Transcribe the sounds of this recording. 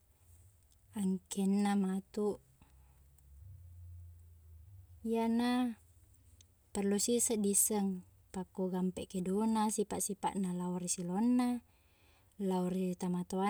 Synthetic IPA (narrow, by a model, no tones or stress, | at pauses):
aŋkʰenːamat̪uʔ | ijana | pərlusisəʔdisəŋ | pakːoɡampɛʔkedonasipaʔsipa̰ʔnalauɾisilonːa | lauɾit̪amat̪oa